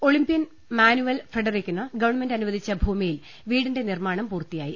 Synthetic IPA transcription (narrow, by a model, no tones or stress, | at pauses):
o̞ɭimbijɐn | maːnuʋɐlfreɖɐrekʲːunːɐɡɐʋɐɳme̞ndɐnuʋɐd̪ʱit͡ɕːɐbʱuːmijil | ʋiːɽinde̞nirmaːɳɐmpuːrt̪ːijaːji